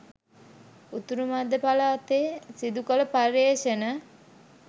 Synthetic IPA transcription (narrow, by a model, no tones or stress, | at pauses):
ut̪uɾumad̪ːəpalaːt̪esid̪ukələpareːʃənə